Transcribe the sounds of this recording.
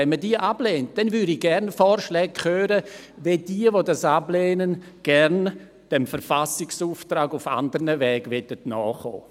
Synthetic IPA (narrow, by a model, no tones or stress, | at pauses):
ɛnmədiːəʔab̥leːnt̚d̥ɛnvyːɾiɡɛɾnfɔːɾʃlɛːk̚kʰχøːɾəved̥iːəvodasableːnən | ɡ̥ɛɾn | d̥ɛmfəɾfasɪksuːftɾaːɡʊfa̰ndəɾnəvɛːɡvɛtətnɔːχo̰ː